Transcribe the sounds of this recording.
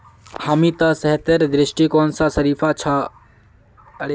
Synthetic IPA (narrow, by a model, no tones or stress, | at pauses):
hamit̪ɐsɐɦt̪ɐɾd̪ɾɪʃʈikoːnsasɐɾiːfʰat͡ʃʰa | ɐɽ